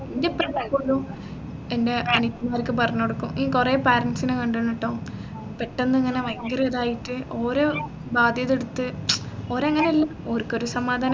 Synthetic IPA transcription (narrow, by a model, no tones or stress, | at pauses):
indeprɐʋɐkːoɭːu | ende̞ʔɐnikːumaɐɾkːɨpɐrɐɲːoɽukːumiːkureːpaːɾɐnsinɨkɐɳɖunːiʈːoː | peʈːenːɨiŋːɐneʋɐŋɡɐrɐðaːjiʈːɨʔoːɾoː | baːd̪ʱjɐðeɽut̪ːɨ | o̞ːɾoɐŋːɐneɐlːɐoɾukːo̞ɾusɐmaːd̪ʱaːnɐ